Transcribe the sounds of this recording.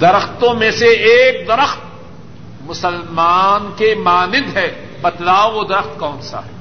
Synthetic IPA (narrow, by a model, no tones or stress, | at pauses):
d̪ɐɾəxt̪õmẽseeːk̚d̪ɐɾəxt̪̚ | mʊsəlmaːnkemaːnɪd̪ɦɛː | bɐt̪laːoʋod̪ɐɾəxt̪kɔːnsa̰ɦɛ